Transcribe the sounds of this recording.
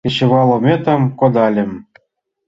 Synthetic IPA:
eɕɘ̆βɑlˠŏmʲet̪ɤ̆mkod̪ɑlʲɘ̆m

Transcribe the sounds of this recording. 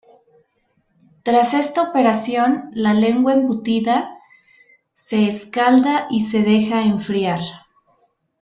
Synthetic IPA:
t̪ɾase̞st̪aope̞ɾasjo̞nlale̞ŋɡwaembut̪iða | se̞ːskald̪aʔise̞ðe̞xaeɱfɾjaɾ

